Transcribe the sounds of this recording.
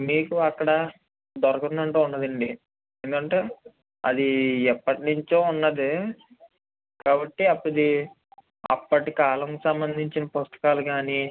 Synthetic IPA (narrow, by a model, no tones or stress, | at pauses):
miːkuɐkːɐɽɐ | d̪ɔɾɐkund̪ɐɳʈeːunːɐd̪ɐɳɖi | eend̪ukɐɳʈeː | ɐ̰d̪iɛpːɐʈinuɲt͡ʃoːunːɐd̪i | kaːbɐʈːiɐpːɐd̪i | ɐ̰pːɐʈikaːlɐŋkisɐmbɐnd̪ʱiɲt͡ʃinɐpost̪ɐ̥kaːluɡaːni